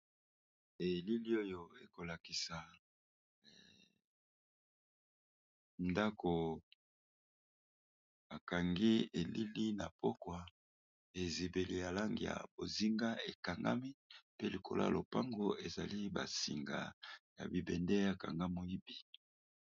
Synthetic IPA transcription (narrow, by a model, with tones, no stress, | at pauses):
e˨li˦li˦o˦jo˦e˨ko˨la˨ki˨sa˨ | nda˦kʰo˨ | a˨ka˨ŋɡi˦e˨li˦li˦na˨pɔ˦kwa˨ | e˨zi˨be˨li˨ja˨la˦ŋɡḭ˨ja̰˨bo˨zi˦ŋɡa˦e˨ka˨ŋɡa̰˦mi˦pe˦li˨kʰo̰˨la̰˦˨lʔo˨pa˦ŋɡo˦e˨za̰˨li˦ba̰˨sḭ˨ŋɡa̰˨ja̰˨bi˨bɛ˨ndɛ˦ja˨ka̰˨ŋɡa˦mo˦i˦bi˨